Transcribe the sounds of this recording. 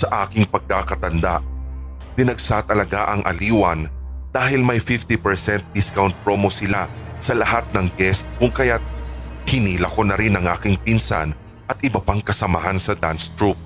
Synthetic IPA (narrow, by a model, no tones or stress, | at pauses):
sɐʔaːkɪŋpɐɡ̚kːakɐt̪ɐnd̪aʔ | t̪ɪnɐɡsat̪ɐlɐɡaʔɐŋʔɐ̰liːwɐnd̪̥aːhɪlmɐjfɪft̪ipɛɹsɛnt̪̚d̪ɪskawnt̪̚pɹoːmosɪlasɐlɐhat̪̚nɐŋɡɛst̪̚kʊŋkɐjat̪̚hɪniːlɐkonɐɾɪnɐŋʔa̰ːkɪŋpɪnsa̰n | ʔɐt̪ʔɪbɐpaŋkɐsɐmɐɦansɐd̪anst̪ɹup̚